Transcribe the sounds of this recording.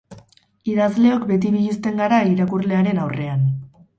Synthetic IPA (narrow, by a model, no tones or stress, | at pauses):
iðazle̞o̞kbe̞t̪̬iniist̪e̞ŋɡaɾaiɾakurle̞aɾe̞nawre̞an